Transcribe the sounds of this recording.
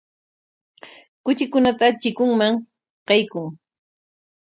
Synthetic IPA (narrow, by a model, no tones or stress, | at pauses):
kʊt͡ʃɪkʊnat̪at͡ʃɪkʊŋmaŋ | qɑjkʊŋ